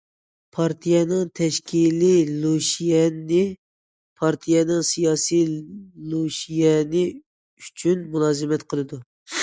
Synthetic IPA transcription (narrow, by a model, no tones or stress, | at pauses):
pʰɑɾt̪ʰijɛnɨŋt̪ʰɛʃkʲʰililˠuʃijɛnɪ | pʰɑɾt̪ʰijɛnɨŋsijɑːsiloʃijɛnɪ | yt͡ʃʰynmulˠɑːzɨmɛt̪qʰəlˠɨd̪u